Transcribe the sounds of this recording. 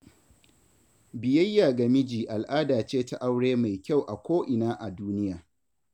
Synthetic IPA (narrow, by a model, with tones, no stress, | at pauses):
bɪ˨jɐ˦jːaː˨ɡɐ˨mɪ˦d͡ʒiː˨ʔa˨lʔaː˦daː˨t͡ʃeː˦ta˦ʔa˦wɽeː˦ma˨jkʲa˦˨wʔa˨kʷoː˦ʔɪ˨naː˦ʔa˨duː˦nɪ˦jaː˨